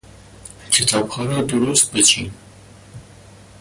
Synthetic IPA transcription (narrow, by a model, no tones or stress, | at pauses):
kʰɪt̪ʰɑbxɑɾad̪uɾust̪̚bət͡ʃʰi